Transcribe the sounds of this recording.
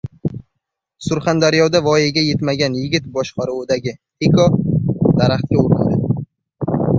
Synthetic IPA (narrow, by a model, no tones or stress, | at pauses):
sʊɾχand̪aɾjɒd̪avɒjaɡʲaje̞t̪maɡʲanjɪɡʲɪt̪̚bɒʃqɑɾʊːd̪aɡʲɪ | ekʰɒd̪̥aɾaχt̪̚kʲauɾɪna̰d̪ɪ̰d̪ɪ